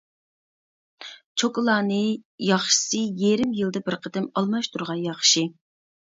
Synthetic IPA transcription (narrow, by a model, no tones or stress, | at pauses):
t͡ʃʰokɨlˠɑːnɨjɑχʃɨ̥sɨjeɾɪmjɨlˠd̪ɨbɪɾqʰəd̪ɪmɑlˠmɑʃt̪ʰuɾʁɑnjɑχʃi